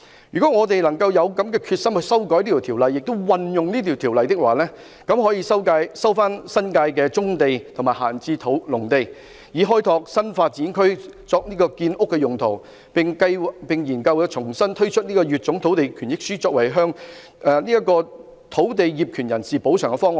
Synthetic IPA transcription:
jyː˨kɔː˨˥ŋɔː˨˧t̪e˨jlɐ˨˩ŋkɐ˧wjɐ˨˧wkɐ˨˥mkɛː˧kʰyː˧t̚sɐ˥mhɵ˧jsɐ˥wkɔː˨˥jni˥˨˩t̪ʰiː˨˩wlɐ˨jːɪ˨k̚t̪o˥wwɐ˨njʊ˨ŋniː˥t̪ʰiː˨wt̪ʰiː˨˩wlɐ˨jt̪ɪ˥k̚waː˨lɛː˥ | kɐ˨˥mɦɔː˨˥jiː˧sɐ˥wkaː˧jsɐ˥wfaː˥nsɐ˥nkaː˧jk̬ɛː˧t͡sʊ˥ŋt̪e˨jt̪ʰʊ˨˩ŋmaː˨˩ɦa̰ː˨˩nt͡siː˧t̪ʰo˨˥wlʊ˨˩ŋt̪e˨j | jiː˨˧ɦɔː˥jt̪ʰɔː˧k̚sɐ˥nfaː˧t̚t͡siː˨˥nkʰɵ˥ɥt͡sɔː˧k̚niː˥kɔː˧kiː˧nʔʊ˥kːɛː˧jʊ˨˩ŋt̪ʰo˨˩w | pɪ˨ŋkɐ˧jpɪ˨ŋjiː˨˩nkɐ˧wjɐ˨˧t͡ʃʰʊ˨˩ŋsɐ˥nt̪ʰɵ˥ɥt͡ʃʰɵ˥t̚niː˥kɔː˧jyː˨t̚t͡sʊ˨˧˥ŋt̪ʰwt̪e˨jkʰyː˨˩njɪ˥k̚syː˥t͡sɔː˧k̚wɐ˨˩jɦœː˥ŋ | ɛ˨˧niː˥jɐ˥kːɔː˧ | t̪ʰo˨˥wt̪e˨jjiː˨p̚kʰyː˨˩njɐ˨˩nsiː˨˩po˨˥wt͡ʃʰœː˨˩ŋkɛ˧fɔː˥ŋwɔ˨˩

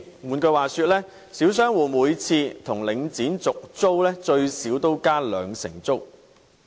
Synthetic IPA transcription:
muː˨˩nkɵ˧waː˨˩syː˧t̚lɛː˥ | siː˨˥ws̬œː˥ŋwuː˨muː˨˧jt͡sʰiː˧t̪ʰʊ˨˩ŋlɪ˨˧ŋt͡siː˨˥nt͡sʊ˨k̚t͡so˥wlɛː˥t͡ʃɵ˧ɥsiː˨˥wt̪o˥wkaː˥lœː˨˧ŋsɪ̰˨˩ŋt͡so˥w

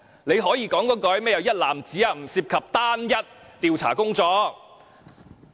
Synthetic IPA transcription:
ne˨˧jɦɔː˨˥jiː˧kɔː˨˥ŋkɔː˨˥kɔː˨˥jmɛː˥jɐ˨˧wjɐ˥t̚laː˨mt͡siː˨˥aː˧m̩˨˩siː˧p̚kʰɐ˨p̚t̪aː˥njɐ˥t̪̚t̪iː˨˧wt͡sʰa̰ː˨˩kʊ˥ŋt͡sɔː˧k̚

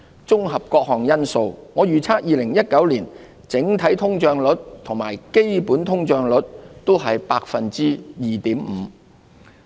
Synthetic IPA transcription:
t͡sʊ˥ŋɦɐ˨p̚kɔː˧k̚hɔː˨ŋjɐ˥nso˧wŋɔː˨˧jyː˨t͡sʰaː˥k̚jiː˨˧lɪ˨˩ŋjɐ˥t̚kɐ˨˥wliː˨˩n | t͡sɪ˨˥ŋt̪ʰɐ˨˥jt̪ʰʊ˥ŋt͡ʃœː˧ŋlɵ˨˥t̚t̪ʰʊ˨˩ŋmaː˨˩jke˥jpuː˨˥nt̪ʰʊ˥ŋt͡ʃœː˧ŋlɵ˨˥t̚t̪o˥wɦɐ˨jpaː˧k̚fɐ˨nt͡siː˥jiː˨˩t̪iː˨˥mm̩ː˨˦

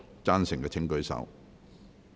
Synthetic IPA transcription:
t͡saː˥nsɪ˨˩ŋkɛː˧t͡sʰɪ˥ŋkɵ˧˥ɥsɐ̰˨˧˥w

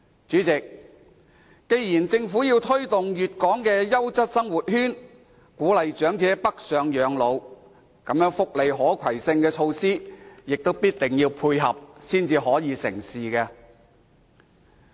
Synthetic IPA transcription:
t͡ʃyː˨˥t͡sɪ˨k̚ | ke˧jjiː˨˩nt͡sɪ˧ŋfuː˨˥jiː˧wt̪ʰɵ˥ɥt̪ʊ˨ŋjyː˨t̚kɔː˨˥ŋkɛː˧jɐ˥wt͡sɐ˥t̚sɐ˥ŋwu˨t̚hyː˥n | kuː˨˥lɐ˨jt͡ʃœː˨˥ŋt͡sɛː˨˥pɐ˥k̚sœː˨˧ŋjœː˨˧ŋlo˨˧w | kɐ˨˥mjœː˨˥ŋfʊ˨k̚le˨jɦɔː˨˥kʰɐ˨˩jsɪ˧ŋkɛː˧t͡ʃʰo˧wsiː˥jɪ˨k̚t̪o˥wpiː˥t̚t̪ɪ˨˩ŋjiː˧wpʰuː˧jɦɐ̰˨p̚siː˥nt͡siː˧ɦɔː˨˥jiː˨˧sɪ̰˨˩ŋsiː˨kɛ˧

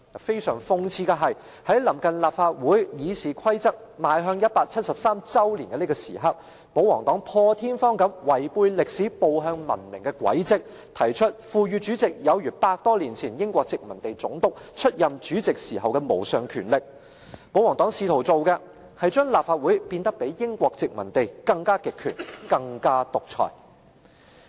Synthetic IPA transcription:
fe˥jsœː˨˩ŋfʊ˧ŋt͡sʰiː˧kɐ˧ɦɐ˨j | hɐ˨˥jlɐ˨˩mkɐ˨nlaː˨p̚faː˧t̚wuː˨˥jjiː˨˧siː˨kʰɐ˥jt͡sɐ˥k̚maː˨˧jɦœː˧ŋjɐ˥t̚paː˧k̚t͡sʰɐ˥t̚sɐ˨p̚saː˥mt͡sɐ˥wliː˨˩nkɛ˧˥li˥kɔː˧sḭː˨˩ɦɐ˨t̚ | po˨˥wɔː˨˩ŋt̪ɔː˨˥ŋpʰɔː˧t̪ʰiː˥nfɔː˥ŋkɐ˨˥mwɐ˨˩jpuː˧jlɪ˨k̚siː˨˥po˨˧wɦœː˧ŋmɐ̰˨˩nmɪ˨˩ŋkɛ˧kwɐ̰˨˥jt͡sɪ˨k̚ | t̪ʰɐ˨˩jt͡ʃʰɵ˥t̚fuː˧ɥyː˨˧t͡ʃyː˨˥t͡sɪ˨k̚jɐ˨˧wjyː˨˩paː˧t̚k̚t̪ɔː˥liː˨˩nt͡sʰiː˨˩njɪ˥ŋkʷɔː˧k̚t͡sɪ˨k̚mɐ˨˩nt̪e˨jt͡sʊ˨˥ŋt̪ʊ˨˥k̚t͡ʃʰɵ˥t̚jɐ˨mt͡ʃyː˨˥t͡sɪ˨k̚siː˨˩ɦɐ˨wkɛ˧mo̰˨˩wsœː˨ŋkʰyː˨˩nlɪ˨k̚ | po˨˥wɔː˨˩ŋt̪ɔː˨˥ŋsiː˧t̪ʰo˨˩wt͡so˨wkɛ˧ | hɐ˨jt͡ʃœː˥ŋlaː˨p̚faː˧t̚wuː˨˥jpiː˧nt̪ɐ˥k̚pe˨˥jjɪ˥ŋkʷɔː˧k̚t͡sɪ˨k̚mɐ˨˩nt̪e˨jkɐ˧ŋkaː˥kɪ˨kʰːyː˨˩nkɐ˧ŋkaː˥t̪ʊ˨k̚t͡sʰɔ̰ː˨˩j

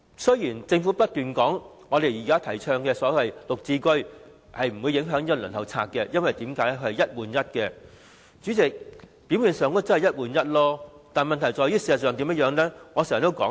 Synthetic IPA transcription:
sɵ˥jjiː˨˩nt͡sɪ˧ŋfuː˨˥pɐ˥t̚t̪yː˨nkɔː˨˥ŋ | ŋɔː˨˧ɾe˨jiː˨kaː˥t̪ʰɐ˨˩jt͡ʃʰœː˧ŋkɛː˧sɔː˨˥lɐ˨jlʊ˨k̚t͡siː˧kɵ˥ɥ | hɐ˨jm̩˨˩wu˨˧jɪ˨˧˥ŋɦœː˨˥ŋjkːlɵ̰ː˨˩nt̪hʰɐ˨˩wt͡sʰa̰ː˧t̚kːɛ˧jɐ˥nwɐ˨jt̪iː˨˥mkaː˨˥jlɛ˥kʰhɐ˨˩jɐ˥t̚wuː˨njɐ˥t̚kɛ˧ | t͡ʃyː˨˥t͡sɪ˨k̚piː˨˥wjiː˨˧nsœː˨ŋɔ˥t͡snhɐ˨˩jɐ˥t̚wuː˨njɐ˥t̚lɔː˥t̪aː˨nmɐ˨nt̪ʰɐ˨˩jt͡sɔː˨˧jɥyː˥siː˨˧szɐ˨tsœː˨ŋt̪iː˨˥mjɐ˥jœː˨˧ŋlɛ˥ŋɔ˨˧sɛ˨˩jt̪o˥wkɔː˨˥

